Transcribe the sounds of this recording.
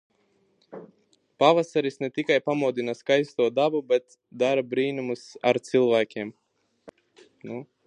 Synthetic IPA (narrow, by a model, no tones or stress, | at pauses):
pavasaɾisnɛt̪ikajpamuɔd̪inaskajst̪uɔd̪abubɛt̪ | d̪aɾabɾiːnumusa̰ɾt̪silˠvæːkʲiɛm | nu